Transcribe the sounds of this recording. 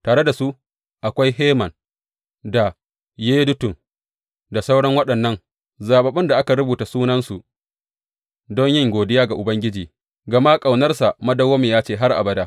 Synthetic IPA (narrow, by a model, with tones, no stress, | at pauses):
taː˨ɽe˦da˨su˦ | ʔa˨kʷa˦jheː˦mɐ˨n | da˨ | jeː˦dʊ˦tʊ˨m | da˨sa˦wɽɐ˦ŋwɐ˦ɗɐ˨nːɐ˦ŋ | zaː˨ɓɐ˨ɓɪ˦nda˨ʔa˦ka˨ɽʊ˦buː˨ta˨suː˦nɐ˦nsu˨ | dɔ˦ɲjɪ˦ŋɡʷoː˨dɪ˦jaː˦ɡa˨ʔʊ˨bɐ˦ŋɡʲɪ˦d͡ʒiː˨ | ɡɐ˨ma˦kʼa˨wnɐ˦rsa˨mɐ˦dɐ˦woː˦me˨jaː˦t͡ʃeː˦˨ɦa˦rʔa̰˨bɐ˨daː˦